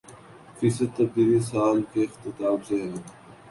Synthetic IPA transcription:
fɪsət̪ːɐb̚d̪iːlisaːlkeɪxt̪ɪt̪aːbseɦɛː

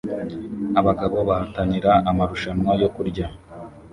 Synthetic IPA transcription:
aβaɡaβo̞βahataɲiɾaʔːmaɾuʃanŋwajo̞kuɾɟa

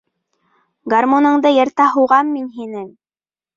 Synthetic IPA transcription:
ɡarmonɤ̆ɴd̪ɤjɤ̆ɾt̪ɑɦuwʁɑmːinɦinɘŋ

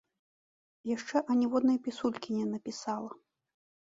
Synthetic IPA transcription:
jaʂt͡ʂɛʔɐnʲɛvɔd̪nɐjpʲisulʲkʲinʲɛnɐpʲisalˠɐ

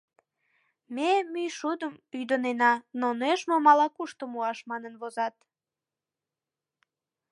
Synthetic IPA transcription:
memyjʃud̪əmyd̪ənenɑnoneʃmomɑlɑkuʃt̪omuɑʃmɑnənβozɑt̪̚

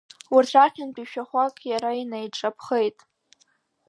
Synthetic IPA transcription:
wartʷʰaχʲɪnpʼiʃᶣaχʷakʼjaɾainajʈ͡ʂʼapʰχejtʼ

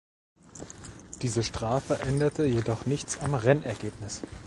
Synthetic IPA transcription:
d̥iːzəʃtʁ̥aːfəʔɛndɐtʰəjedɔχnɪçt͡samʁɛnɛɐɡeːpnɪs

